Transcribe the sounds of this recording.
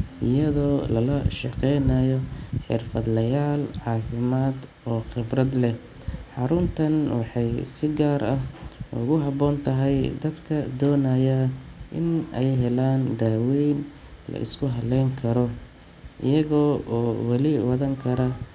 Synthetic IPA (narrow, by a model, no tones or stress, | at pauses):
ʔɪjɐðɔːlɐlɐ̰ʃɑ̰qɛjnɐjɔħɪrfɐd̪lɐjaːlʕɑːfɪmaːd̪ | ɔːχɪbrɐd̪lɛ | ħɑɾʊnt̪ʰɐnwɑħɑjsɪɡaːɾɐhʊ̰ɣʊɦɑbɔːnt̪ʰɐɦɛjd̪ɐd̪kʰɐd̪ɔːnaːjɐʔɪnɛjɦɛlaːnd̪aːwɛjn | lɐ̰ʔɪ̰skʰʊɦɐlɛjŋkʰɐɾɔ | ʔɪ̰jɐɣɔːɔːwɑlɪwɑðɐŋkʰɐɾɐ